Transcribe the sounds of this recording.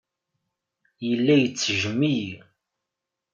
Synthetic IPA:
jəlːæjət͡sːʒəmːiji

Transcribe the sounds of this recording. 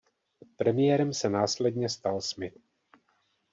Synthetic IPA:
pɾɛmɪjɛːɾɛmsɛnaːslɛd̪ɲɛst̪alsmɪt̪̚

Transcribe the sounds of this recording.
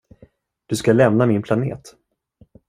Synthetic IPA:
d̪̥ɵskalɛmnamɪnpʰlanḛːt̪

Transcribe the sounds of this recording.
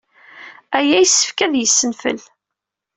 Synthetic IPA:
æjæjəsːə̥fkæðjəsːənfə̰l

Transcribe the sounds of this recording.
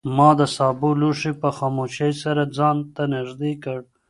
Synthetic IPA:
mɑd̪əsɑːbuluʂipəxɑmoʃejsaɾad͡zɑːnt̪anɪʐd̪ekəɽ

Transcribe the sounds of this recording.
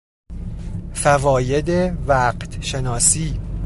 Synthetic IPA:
fævɒːje̞d̪evæːqt̪ʰʃe̞nɒːsiː

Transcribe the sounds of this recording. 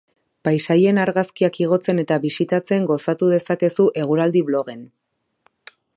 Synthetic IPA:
pajsaje̞naɾɣaskiakiɣ̞o̞t͡se̞ne̞t̪aβisit̪at͡se̞ŋɡo̞sat̪uðe̞sake̞suʔe̞ɣ̞uɾald̪iβlo̞ɣ̞e̞n

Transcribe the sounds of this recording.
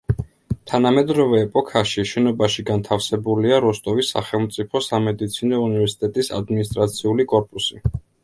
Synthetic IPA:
t̪ʰanamɛd̪ɾɔvɛːpʼɔkʰaʃiʃɛnɔbaʃiɡant̪ʰafsɛbuliaɾɔst̪ʼɔvisːa̰χɛlˠmt̪sʼipʰɔsamɛd̪it̪sʰinɔunivɛɾsi̥t̪ʼɛt̪ʼisa̰d̪minis̬t̪ʼɾat̪sʰiulikʼɔɾpʼusi

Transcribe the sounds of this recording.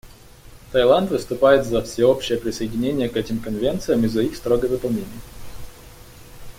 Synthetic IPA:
t̪ɐjlˠant̪vɨst̪ʊpajɪt̪zɐfsʲɪo̞pɕɪjəpɾʲɪsəɪdʲɪnʲenʲɪjəkɛtʲɪmkɐnvʲe̞nt̪sɨjəmɨzɐixst̪ɾoɡəvɨpɐlˠnʲenʲɪjə

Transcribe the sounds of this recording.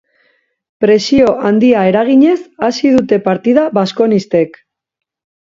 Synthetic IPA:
pɾe̞sio̞ʔand̪iae̞ɾaɣ̞iɲe̞sasiðut̪e̞paɾt̪ið̞aβasko̞nist̪e̞k

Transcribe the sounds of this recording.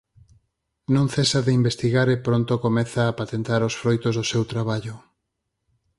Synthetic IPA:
nõŋθesaðeimbest̪iɣaɾepɾont̪okomɛθaːpat̪ent̪aɾosfɾojt̪ozðosewt̪ɾaβaʎʊ

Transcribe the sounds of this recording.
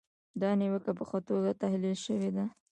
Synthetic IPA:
d̪ɑniwəkap̬əxat̪oɡat̪ahlilʃəwed̪a

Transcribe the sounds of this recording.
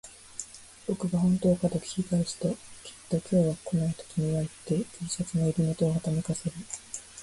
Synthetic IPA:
bo̞kɯ̟ɡahõ̞nt̪o̞ːkad̪okʲi̥ikaiɕi̥t̪okʲʰi̥t̪ːo̞kʲʰo̞ːβako̞nait̪o̥kʲiɲ̟iβaet̪ːe̞kʲeːsat͡sɨnoiɾʲimo̞t̪o̞ːhat̪ame̞kase̞ɾɯ̟

